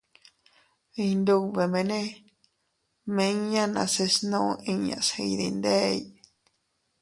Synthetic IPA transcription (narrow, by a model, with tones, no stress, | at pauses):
i˧nd̪u˧βe˧mẽ˧nẽ˦ | mẽ˧˦ɲã˦nã̰˧se˧snõ˦˧ʔĩ˧ɲã̰˧˨se˧i˧ði˧nd̪e˦˧i˦